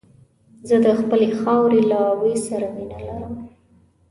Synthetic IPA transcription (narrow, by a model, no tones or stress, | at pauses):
zəd̪əxpəlexɑwɾelawəjsaɾaminalaɾəm